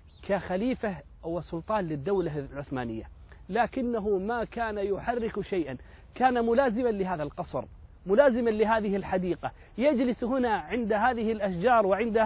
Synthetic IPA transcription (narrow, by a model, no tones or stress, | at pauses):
kʰaxaliːfa | wɪsʊlt̪ˤɑːnlɪd̪ːawlalʕʊθma̰ːnɪ̰jːalaːkɪnːaɦʊmakaːnajʊħarːɪkʃajʔan | kaːnamʊlaːzɪmanlɪɦaːðalqɑsˤɾ | mʊlaːzɪmanlɪɦaːðɪhɪlħad̪iːqa | jad͡ʒlɪsɦʊnaʕɪnd̪aɦaːðɪhɪlʔaʃd͡ʒɑːɾˤwɪʕɪnd̪a